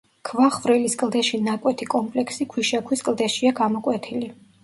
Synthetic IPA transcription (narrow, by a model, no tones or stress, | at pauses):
kʰvaχvɾɛliskʼlˠd̪ɛʃinakʼwɛt̪ʰikʼɔmpʼlɛksikʰwiʃakʰwiskʼlˠd̪ɛʃiaɡamɔkʼwɛt̪ʰili